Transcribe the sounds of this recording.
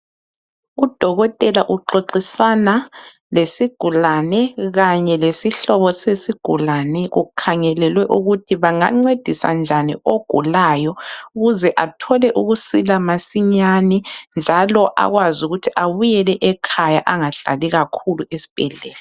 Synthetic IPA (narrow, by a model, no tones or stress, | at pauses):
ud̥ʱɔɣɔtʼɛlaʔuǃoǃisana | lesiɡ̥ʱulanɛɣaɲɛlesiɬɔβɔsesiɡ̥ʱulanɛɣukʰaŋɛlɛlwɛʔuɣutʰiβaŋaŋ͡ǀed̥ʱisa̰nd͡ʒʱanioɡ̥ʱṵlajɔuɣuzɛʔatʰɔlɛʔuɣusilamasiɲanɛnd͡ʒʱalɔʔa̰ɣwazuɣutʰiʔaβujɛlɛʔɛkʰajaʔaŋaɮa̰liɣakʰuluesi̥b̥ʱɛɮɛ̰ːlɛ